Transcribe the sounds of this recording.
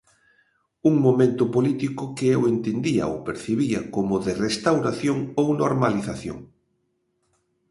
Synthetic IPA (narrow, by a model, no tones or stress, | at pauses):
uŋmomẽnt̪ʊpolit̪ikʊkɪewent̪end̪iɐ̰o̰wpeɾθeβiɐkomʊðɪrest̪awɾaθjoŋownoɾmaliθaθjo̰ŋ